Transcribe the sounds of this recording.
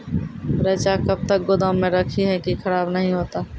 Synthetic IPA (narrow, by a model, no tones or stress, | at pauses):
ɾɛːt͡ʃakɐb̚t̪ək̚ɡod̪ãːmmːẽɾɐkʰiɦɛkikʰɐɾaːbnɐɦĩɦoːt̪aː